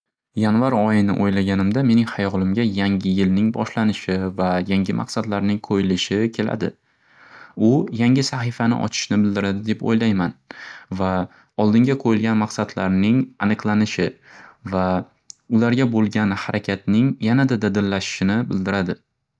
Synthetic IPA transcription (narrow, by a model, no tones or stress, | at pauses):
janvaɾɒjɪnɪ̰ʔojlaɡʲanɪmd̪ame̞nɪŋhajɒlˠɪmʲajaŋʲɪjɪlnɪŋbɒ̰ʃlanɪʃɪvajaŋʲɪmʔa̰qsad̪laɾnɪŋqʰojɪlɪʃɪkʲʰe̞la̰d̪ɪ̰ | ʊjaŋʲɪsaχifanɪ̰ʔɒ̰t͡ʃʰɪ̥ʃnɪbɪld̪ɪɾad̪ɪd̪epo̰jlajmanva | ɒlˠd̪ɪŋɡʲaqʰojɪlɡʲanmɑqsad̪laɾnɪŋanɨqlˠanɪʃɪva | ʊlaɾɡʲabolˠɡʲanhaɾʔakʲʰat̪nɪŋjanad̪ad̪ad̪ɪɾlaʃɪ̥ʃɪnɪbɪld̪ɪɾad̪ɪ